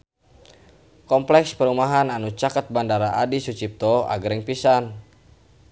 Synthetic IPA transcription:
kɔmplɛkspəɾumaɦananut͡ʃakət̪̚bandaɾaʔadisut͡ʃip̚t̪ɔa̰ɡɾɛŋpisan

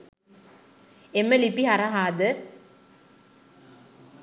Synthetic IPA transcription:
emːəlipiɦaɾaɦaːd̪ə

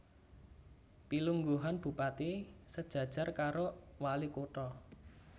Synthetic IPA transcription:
piluŋɡuɦanb̥ṳpat̪isəd̥ʒ̥ä̤d̥ʒ̥a̤rkaɾowalikoʈɔ

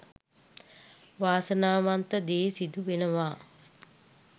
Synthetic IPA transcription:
ʋaːsənaːʋant̪əd̪eːsid̪uʋenəʋaː

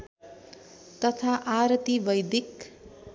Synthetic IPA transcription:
t̪ʌt̪ʰaʔaɾt̪ibʌjd̪ik

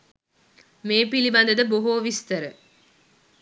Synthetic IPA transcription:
meːpilibɐnd̪əd̪əboɦoːʋist̪ɐɾə

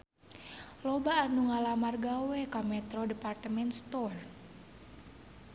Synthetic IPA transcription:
lɔbaːnuŋalamarɡawɛkamɛt̪ɾɔdɛpart̪əmɛnst̪ɔr

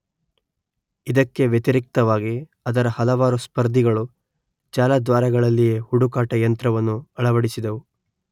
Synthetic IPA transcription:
id̪ɐkːe̞ʋjɐt̪iɾik̚t̪ɐʋaːɡi | ɐd̪ɐɾɐhɐlɐʋaːɾuspɐɾd̪ʱiɡɐɭu | d͡ʒaːlɐd̪ʋaːɾɐɡɐɭɐlːijeːhuɽukaːʈɐjɐnt̪ɾɐʋɐnːuɐɭɐʋɐɽisid̪ɐʋu

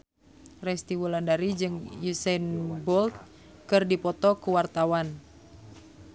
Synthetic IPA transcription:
rɛst̪iwulandaɾid͡ʒɨŋjusɛnbɔlt̪̚ | kɨrdipɔt̪ɔkuwart̪awan

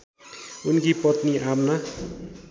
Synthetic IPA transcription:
unkipʌt̪niamna

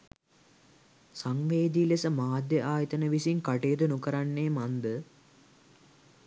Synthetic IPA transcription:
saŋʋeːd̪iːlesəmaːd̪jəʔaːjət̪ənəʋisiŋkaʈeːd̪ənukəɾanːeːmand̪ə

